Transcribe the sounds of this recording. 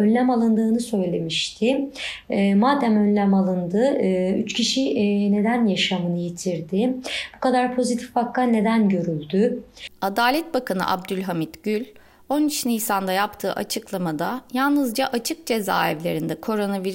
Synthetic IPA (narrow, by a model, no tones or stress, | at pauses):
ønlʲæmalˠɯnd̪ɯːnɯsø̞jlʲe̞miʃt̪ʰɪ | ɛːmaːd̪æmø̞nlʲæmalˠɯnd̪ɯɯyt͡ʃcʰiʃine̞d̪ænjaʃamɯnɯjit̪ʰiɾd̪ɪb̥ukad̪aɾpʰo̞zit̪ʰi̥fbakːane̞d̪ænɟø̞ɾylʲd̪yad̪aːlʲɛt̪̚bakʰanɯ̰ʔa̰bd̪ylʲɦamit̪ɟ̥ylʲ | o̞nit͡ʃnijsand̪ajapt̪ʰɯ̰ːʔa̰t͡ʃʰɯklˠamad̪ajalˠnɯzd͡ʒaʔat͡ʃʰɯk̚d͡ʒe̞za̰ːɛvlʲe̞ɾind̪ɛkʰo̞ɾo̞naviɾ